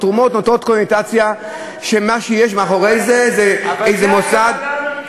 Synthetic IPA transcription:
t̪ʁumo̞t̪not̪o̞t̪konet̪at͡sja | ʃemaʃejeʃmeaχo̞ʁejzezeejzemosad̪

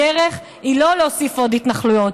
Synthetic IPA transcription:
eʁeχ | ilo̞leosifod̪hit̪naχlujot

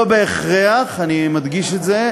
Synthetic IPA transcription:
obeːχʁeaχanimad̪ɡiʃetze

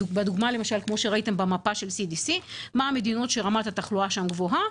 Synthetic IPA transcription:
bed̪uɡmale̞maʃalkmo̞ʃe̞ʁaite̞mbamapaʃe̞lsidisimaame̞d̪ino̞tʃeʁamat̪hat̪aχluaʃamɡvo̞ɦa

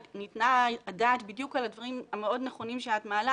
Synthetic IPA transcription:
nitnaadaːt̪bidjukalad̪vaʁimameo̞dneχo̞nimʃeatmaːla

